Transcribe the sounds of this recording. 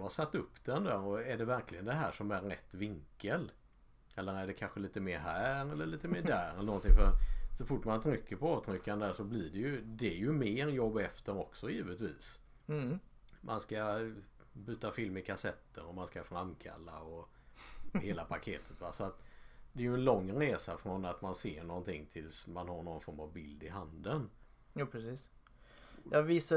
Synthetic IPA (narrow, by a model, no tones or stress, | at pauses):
asat̪ːɵpːd̪̥ɛnd̪æːɾɔæɖɛvæɾklɪɡənd̪ɛɦæːʂɔmæɾːɛ̰t̪ːvɪŋkːəl | ɛlːəɾæɖɛkʰanɧəliːt̪əmeːɾɦæːɾɛlːəɭiːt̪əmeːɖæːɾɛlənɔnt̪ɪŋfœɾsɔfʊʈːmant̪ʰɾʏkːəpɔɑːvt̪ʰɾʏkːanəd̪æʂɔblɪɖɛjɵd̪ɛːjɵmeːɾjɔbːɛft̪əɾɔksɔjiːvət̪vḭːs | mʔa̰nska | bʉ̟ːt̪afɪlmɪkʰasɛt̪ʰːəɾɔmanskafɾankʰa̰lːa̰ɔ | heːlapʰakʰeːt̪ʰə̥t̪vasɔat̪d̪ɛːɾjɵɛnlɔŋːɾeːsafɾɔnat̪manseːɳɔnt̪ʰɪŋːt̪ʰɪlsmanhaɾɳɔnfɔɾmavbɪld̪ɪɦand̪ən | jaːpʰɾɛsiːs | jɑvisa